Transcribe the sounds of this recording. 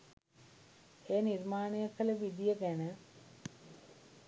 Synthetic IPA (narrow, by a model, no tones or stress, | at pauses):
eːnirmaːnəjəkələʋid̪ijəɡænə